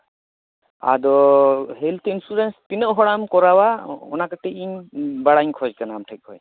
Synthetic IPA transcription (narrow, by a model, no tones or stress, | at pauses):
a̰d̪ɔɦɛlt̪ʰinsuɾɛnspinəʔɦɔɽamkɔɾawaɔ̰nakaʈɛiɲbaɽaɲkʰɔd͡ʒkanamʈʰɛc̚kʰɔ̰j